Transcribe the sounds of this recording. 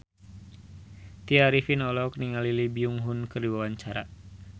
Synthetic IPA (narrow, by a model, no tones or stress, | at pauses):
t̪iaɾifinɔlɔkniŋalilibiuŋɦunkɨrdiwawaɲt͡ʃaɾa